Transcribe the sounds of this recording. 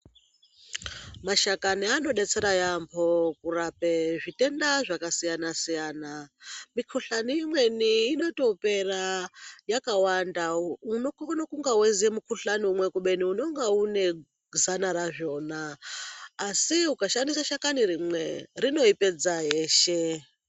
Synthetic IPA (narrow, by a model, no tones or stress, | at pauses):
maʃakaniano̞ɗe̞t͡seɾajampʰo̞kurapeʐitʼendaʐakasijanasijaːnamikʰuɬaniimwe̞niːno̞to̞pe̞rajakawandaunoknokuŋɡawezijemukʰuɬaniumwekuɓe̞niuno̞ŋɡaune̞ | zanaɾaʐo̞ːnaː | siukaʃandisaʃakaniɾimwerino̞iped͡zaɦeːʃe